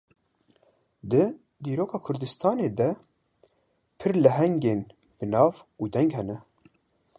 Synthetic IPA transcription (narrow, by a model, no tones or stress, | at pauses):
d̪ɨ | d̪iːɾoːkʰɑːkʰʊɾd̪ɨst̪ʰɑːneːd̪ɛ | pʰɨɾlɨɦɛŋɡeːn | bɨnɑːvuːd̪ɛŋɡhɛnɛ